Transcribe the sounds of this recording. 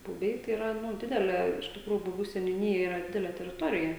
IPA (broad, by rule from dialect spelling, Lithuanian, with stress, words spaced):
bʊˈbʲɛɪ tɐɪ ɪˈrɐ ˈnʊ ˈdʲɪdʲɛlʲeː ɪʃ tʲɪkˈruːjʊ bʊˈbʲuː sʲɛnʲʊˈnʲiːjɛ ˈiːrɐ ˈdʲɪdʲɛlʲeː tʲɛrʲɪˈtoːrʲɪjɛ